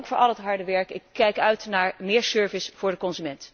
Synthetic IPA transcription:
ŋkfʊːɹʔɑlˠətɦɑɹdəʋɛɹkɪkʰːɛjkœɥtnaːɹmɪːɹsøɹvəsv̥ʊːɹdəkɔnzymɛnt

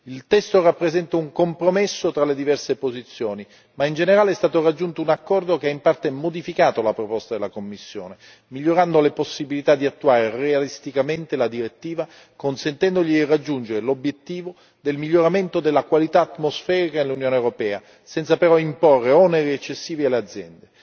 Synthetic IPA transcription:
ilt̪ɛst̪orapːɾezɛnt̪auŋkompɾomesːot̪ɾalːed̪ivɛrsepozit̪sːjoːni | maind͡ʒeneɾaːleɛst̪aːt̪orad͡ʒːunt̪ounakːɔrd̪okeaimpart̪emod̪ifikaːt̪olapɾopɔst̪ad̪elːakomːisːjo̰ːne | miʎːoɾand̪oleposːibilit̪ad̪ːiat̪ːuaːɾerealist̪ikament̪elad̪iɾet̪ːiːva | konsent̪ɛnd̪oʎid̪irːad͡ʒːund͡ʒeɾelobjet̪ːiːvo | d̪elmiʎːoɾament̪od̪elːakwalit̪aːt̪mosfɛːɾikanelunjoːnewɾopɛːa | sɛnt̪sapeɾɔimporːeɔneɾiet͡ʃːesːiːvialead̪zːjɛnd̪e

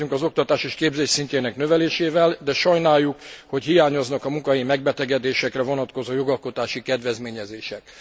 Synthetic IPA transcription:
yŋkɒzo̞k̚t̪ɒt̪aːʃeːʃkeːbzeːʃsinceːnɛknøvɛleːʃeːvɛld̪ɛʃɒjnaːjːukho̞cɦijaːɲo̞znɒkɒmuŋkɒɦimɛɡ̚bɛt̪ɛɡɛd̪eːʃɛkrɛvo̞nɒt̪ko̞zoːjo̞ɡɒlko̞t̪aːʃikɛd̪vɛzmeːɲɛzeːʃɛk

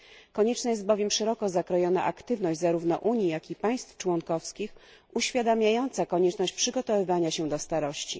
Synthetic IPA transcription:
kɔɲɛt͡ʂnajɛst̪bɔvʲjɛmʂɛɾɔkɔzakɾɔjɔna̰ʔakt̪ɘvnɔʑd͡ʑʲzaɾuvnɔ̰ʔuɲjijakʲipaj̃st̪ft͡ʂwɔŋkɔfskʲix | uɕfʲjad̪amʲjajɔnt̪sakɔɲɛt͡ʂnɔɕt͡ɕpʂɘɡɔt̪ɔvɘvaɲaɕɛd̪ɔst̪aɾɔɕt͡ɕḭ

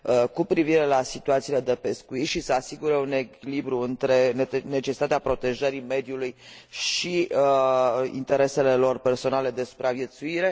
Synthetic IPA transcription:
əkupɾiviɾe̞lasit̪uat̪sile̞d̪epe̞skuit̪ʃisəasiɡuɾeune̞kʲilibɾuɨnt̪ɾe̞ne̞t͡ʃesi̥t̪at̪eapɾo̞t̪e̞ʒəɾime̞d̪juluj | ʃi | ḭnt̪e̞ɾe̞se̞le̞lo̞rpe̞rso̞nale̞d̪e̞su̥pɾavje̞t̪suiɾe̞

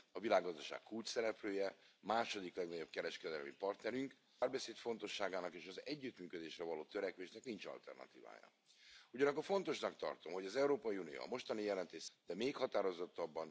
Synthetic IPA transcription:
ɒvilaːɡːɒzd̪ɒʃa̰ːkkult͡ʃsɛɾɛpløːjɛmaːʃo̞d̪iklɛɡnɒɟo̞b̚kɛɾɛʃkɛd̪ɛlmḭpɒrt̪nɛɾyŋkː | rbɛseːt̪fo̞nt̪o̞ʃːaːɡaːnɒkeːʃɒzɛɟːyt̪myːkø̞d̪eːʃrɛvɒloːt̪øɾɛkʋeːʃnɛknint͡ʃɒ̰lt̪ɛ̰rnɒ̰t̪iːva̰ːjɒ̰ | uɟɒnɒkːorfo̞nt̪o̞ʃnɒkt̪ɒ̰rt̪o̞mɦo̞ɟɒzɛuɾoːpɒiunijo̰ɒ̰mo̞ʃt̪ɒnijɛlɛnt̪eːʃd̪̥ɛmeːkhɒt̪aːɾo̞zo̞t̪ːɒbːɒn

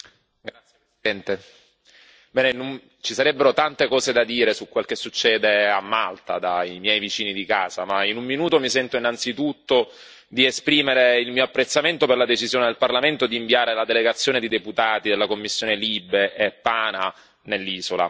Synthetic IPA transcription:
ɡɾat̪sjepɾesid̪ɛnt̪e | bɛːneinun | t͡ʃisaɾɛbːeɾot̪ant̪ekɔːzed̪ad̪iːɾesukwelkesːut͡ʃːɛːd̪eamːalt̪a̰d̪aimjɛjvit͡ʃiːnid̪ikaːza̰mainumːinuːt̪omisɛnt̪oinːant̪sit̪ut̪ːo | d̪iespɾiːmeɾeilmiːoapːɾet̪sːament̪operlad̪et͡ʃizjoːned̪elparlament̪od̪iːɱviaːɾelad̪eleɡat̪sːjoːned̪id̪eput̪aːt̪id̪elːakomːisːjoːnelibeʔːpːaːna | nelːiːzola̰

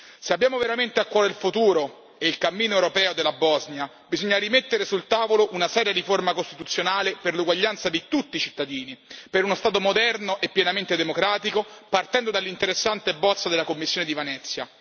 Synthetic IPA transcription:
seabːjaːmoveɾament̪eakːwɔːɾeilfut̪uːɾo | eilkamːiːnoewɾopɛːod̪elːabɔznja | bizoɲːaɾimet̪ːeɾesult̪aːvoloʔunasɛːɾjaɾiformakost̪it̪ut̪sːjonaːleperluɡwaʎːant̪sad̪it̪ut̪ːit͡ʃit̪ːad̪iːnipeɾunost̪aːt̪̬omod̪ɛrnoʔepːjɛnament̪ed̪emokɾaːt̪ikopart̪ɛnd̪od̪alːint̪eɾesːant̪ebːɔt̪sːad̪elakomːisːjoːned̪ivanɛt̪sːja

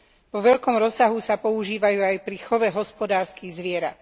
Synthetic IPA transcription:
ʋɔʋɛʎkɔmɾɔsːaɦusapɔuʒiːʋajuːajpɾixɔʋɛɦɔspɔd̪aːɾskiɣzʋɪɛɾa̰t̪

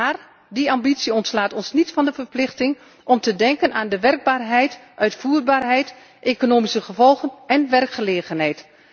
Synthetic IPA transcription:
aːr | diambitsiəɔntslaːtɔnsnitfɑndəvərplɪxtɪŋ | ʔɔmtədɛŋkənaːndəʋɛrɡ̚baːrɦɛjtʔœɥtfuːrbaːrɦɛjt | ʔeːkonoːmisəχəvɔlˠɣənɛnʋɛrkχəleːɣənɦɛjt

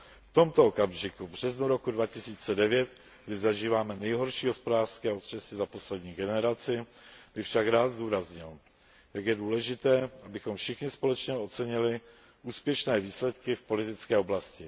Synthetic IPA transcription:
ft̪o̞mt̪ookamʒɪkubr̝̥ɛznuɾo̞kudvacɪsiːt͡sɛdɛvjɛt̪ | ɡdɪzaʒiːvaːmɛnɛjɦo̞ɾʃiːɦo̞spodaːr̥skɛːot̪r̥ɛsɪzapo̞slɛdɲiːɡɛnɛɾat͡sɪb̥ɪfʃakɾaːd̪zduːɾazɲɪl | jakjɛduːlɛʒɪt̪ɛːʔabɪxo̞mfʃɪxɲɪspo̞lɛt͡ʃɲɛo̞t͡sɛɲɪlɪ | ʔuːspjɛʃnɛːviːslɛt̪kɪfpo̞lɪt̪ɪt͡skɛːo̞blascɪ

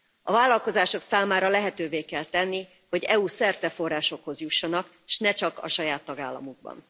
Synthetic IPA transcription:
ɒvaːlːɒlko̞zaːʃo̞ksaːmaːɾɒlɛɦɛt̪øːveːkɛlt̪ɛnːi | ho̞ɟɛusɛrt̪ɛfo̞rːaːʃo̞kho̞zjuʃːɒnɒk | ʃnɛt͡ʃɒkɒ̰ʃɒjaːt̪ːɒɡaːlːɒ̰muɡ̚bɒ̰n

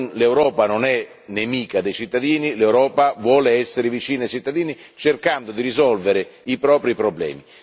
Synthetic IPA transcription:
lewɾɔːpanonɛ | nemiːkad̪ejt͡ʃit̪ːad̪iːnilewɾɔːpavwɔːleɛsːeɾɪvit͡ʃiːnajt͡ʃit̪ːad̪iːnit͡ʃerkand̪ʊd̪irizɔlveɾɪipɾɔːpɾipɾoblɛ̰ːmi

